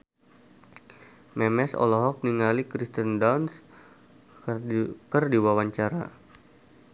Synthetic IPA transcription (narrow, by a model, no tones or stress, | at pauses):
mɛmɛsɔ̰lɔɦɔk̚niŋalikɾist̪əndawns | kərdiwawaɲt͡ʃaɾa̰